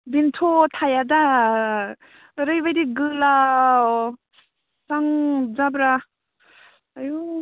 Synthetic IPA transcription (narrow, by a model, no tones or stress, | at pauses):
bintʰotʰajada | ɾɯjbajɾiɡɯla | saŋzabɾa | aju